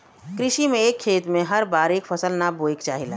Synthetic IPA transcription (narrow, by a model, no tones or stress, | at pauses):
kɾɪʃimẽeːkʰːeːt̪mẽɦɐɾbaːɾeːkfʰəsəlnaboːɪkt͡ʃaːɦɪla̰ː